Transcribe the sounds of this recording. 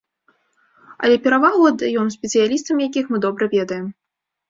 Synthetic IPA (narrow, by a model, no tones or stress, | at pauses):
ɐ̰lʲɛpʲɛɾavalˠuɐd̪ɐjɔns̬ʲpʲɛt̪sɨjalʲist̪ɐmʲjakʲixmɨd̪ɔbɾɐvʲɛd̪ɐjɛm